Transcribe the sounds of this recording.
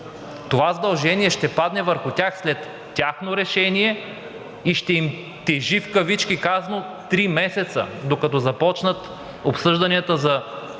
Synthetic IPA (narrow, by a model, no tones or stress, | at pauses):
t̪ovazɐd̪ɐlˠʒɛniɛʃt̪ɛpad̪nɛvəɾxʊtʲaxslɛt̪ːʲ | axnoɾɛʃɛniɛ | iʃt̪ɛim | t̪ɛʒifkɐvit͡ʃkikaznot̪ɾimɛsɛt̪sə̰d̪okɐt̪ɔzɐpɔt͡ʃnət̪ | opsɤʒd̪ɐniət̪əzɐ